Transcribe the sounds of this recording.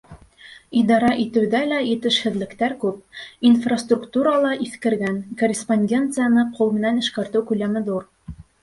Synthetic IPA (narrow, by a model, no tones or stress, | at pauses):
id̪ɑɾɑʔit̪ɘ̆wðælæjɘ̆t̪ɘ̆ʃhɘ̆ðlɘ̆kt̪æɾkʉpinfrɐst̪rukt̪uɾɑlˠɑʔiθkɘ̆ɾɡæŋkorʲɪsponʲdʲe̞nt̪sɨjanɤqʰulˠmɘ̆nænɘ̆ʃkæɾt̪ɘwkʉlæmɘðuɾ